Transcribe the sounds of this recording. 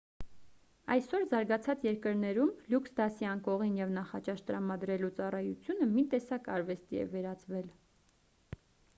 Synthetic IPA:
ɑjsɔɾzɑɾɡɑt͡sʰɑt͡sjɛɾkəɾnɛɾumluksd̪ɑsiɑŋkɔʁinjɛvnɑχɑt͡ʃɑʃt̪əɾɑmɑd̪ɾɛlut͡sɑrɑjut͡sʰjunəmit̪ɛsɑkɑ̰ɾvɛst̪iɛ̰vɛɾɑt͡svɛl

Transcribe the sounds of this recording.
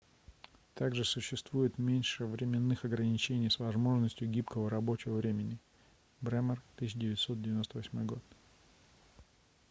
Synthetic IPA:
t̪aɡʐɨsʊɕːɪst̪vujɪt̪mʲenʲʂɨvɾʲɪmʲɪnːɨxɐɡɾənʲɪt͡ɕenʲɪjsvɐzmo̞ʐnəsʲtʲjʊɡʲipkəvəɾɐbo̞t͡ɕɪvəvɾʲemʲɪnʲɪ | bɾɛmərt̪ɨɕʲːɪdʲɪvʲɪtʲso̞t̪̚dʲɪvʲɪno̞st̪əvɐsʲmo̞jɡo̞t̪

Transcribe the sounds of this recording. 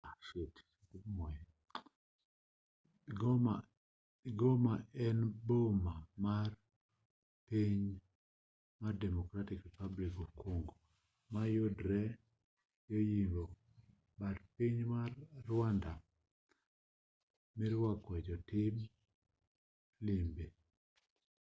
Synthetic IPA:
set | mɔjɛ | a | ɡomaɛnbomamar | piɲ | mardɛmɔkɾatɪkɾipablikɔkwoŋɡo | majodɾɛ | jojimbo | badpiɲmarːwanda | mɪɾwakwɛd͡ʒɔtɪm | limbe

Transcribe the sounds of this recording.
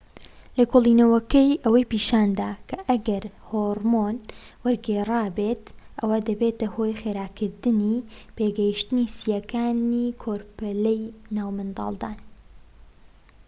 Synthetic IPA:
lɐkʰoːlˠinɐwɐkɐjʔɐwɐjpiːʃaːnd̪aːkʰɐʔɐɡɐɾhoːɾmonwɐɾɡerˤaːbet̪ʔɐwad̪ɐbeːt̪ɐhojxeːɾaːkʰɨɾd̪ɨnipeːɡɛjiʃt̪ɨnisijɐkʰaːnikʰoːɾpɛlejnaːwmɨnd̪ɑ̰ːlˠd̪aːn

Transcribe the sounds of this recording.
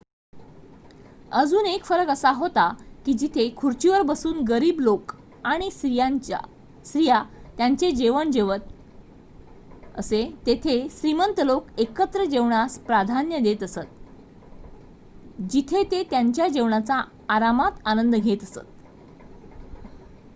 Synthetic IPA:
əd͡zuːnekfəɾəkəsaɦot̪akiːd͡ʑit̪ʰekʰuɾt͡ɕiʋəɾbəsuːnɡəɾiːblok | aɽ̃iij | sɾijat̪jaɲt͡sed͡ʑeʋəɳd͡ʑeʋət̪ | ə̰set̪et̪ʰesɾimənt̪lokekət̪ɾəd͡ʑeʋɳaspɾad̪ʱanjəd̪et̪əsət̪̚ | d͡ʑit̪ʰet̪et̪jaɲt͡ɕjad͡ʑeʋɳat͡saː | ɾamat̪anənd̪ɡʱet̪əsə̰t̪̚

